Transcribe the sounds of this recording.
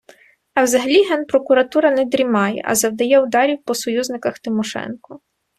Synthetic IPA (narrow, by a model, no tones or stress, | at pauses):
ɐwzɐɦɐlʲiɦɛnpɾɔkʊɾɐt̪uɾɐnɛd̪ɾʲimɑjɛ̰ʔɐ̰zɐwd̪ɐjɛʊd̪ɑɾʲiwpɔsɔjuznɪkɐxt̪ɪmɔʃɛ̰nkɔ